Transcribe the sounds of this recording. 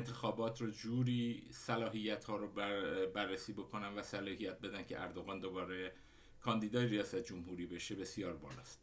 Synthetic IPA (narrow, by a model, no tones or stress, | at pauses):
nt̪ʰexɒːbɒːt̪ʰrod͡ʒuːɾiːsælɒːɦijːæt̪hɒːɾobærːesiːbo̞kʰo̞nænvæsælɒːhijæt̪̚be̞d̪æncʰḛʔæɾd̪oɣɑːnd̪o̞bɒːɾe̞ | kʰɒːnd̪iːd̪ɒːjeɾijɒːsæt̪ʰed͡ʒomhuːɾiːbe̞ʃe̞be̞sijɒːɾbɒ̰ːlɒ̰ːst̪